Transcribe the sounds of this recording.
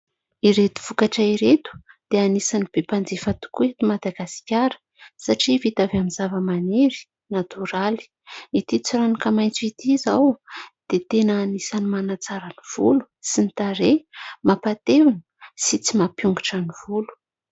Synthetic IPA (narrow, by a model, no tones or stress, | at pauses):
iɾet̪u̥v̥ukaʈ͡ʂaiɾet̪u̥d̪̥eanisanib̥epand͡zefat̪u̥kuet̪umad̪aɡasi̥kʲaɾə̥ | saʈ͡ʂivit̪avamizavəmaneɾi̥ | nat̪uɾali̥ | it̪it͡siɾanakəmajnt͡suit̪izawd̪̥et̪enəːnisanimanat͡saɾəniv̥ulu̥sinit̪aɾemapat̪evunə̥sit͡simapjuŋɡiʈ͡ʂəniv̥ulu̥